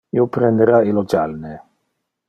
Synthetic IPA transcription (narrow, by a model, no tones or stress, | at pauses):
iopɾend̪eɾailod͡ʒalne